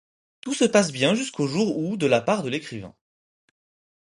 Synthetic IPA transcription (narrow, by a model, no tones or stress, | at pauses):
t̪usəpas̬bjɛ̃ʒyskʰoʒuʁud̪əlapaʁd̪əlekχivɛ̰̃